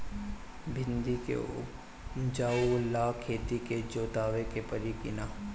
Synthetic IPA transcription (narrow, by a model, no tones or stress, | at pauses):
bʱɪnd̪ikḛ | d͡ʒaːulːaːkʰeːt̪iked͡ʒoːt̪aːʋekepəɾikɪna